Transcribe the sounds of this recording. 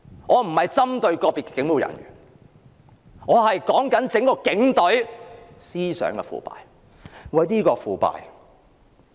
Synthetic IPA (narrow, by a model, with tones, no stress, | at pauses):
ŋɔː˨˧m̩˨˩hɐ˨jt͡sɐ˥mt̪ɵ˧ɥkɔː˧piː˨˩kɛ˧kɪ˨˥ŋmu˨˧wjɐ̰˨˩nɥy̰ː˨˩n | ŋɔː˨˧hɐ˨jkɔː˨˥ŋkɐ˨˥nt͡sɪ˨˥ŋkɔː˧kɪ˨˧˥ŋt̪ɵ˨˥ɥsiː˥sœ̰ː˨˥ŋkɛ̰˧fṵː˨˩pa̰ː˨j | ŋɔː˨˧jniː˥kɔː˧fuː˨pa̰ː˨j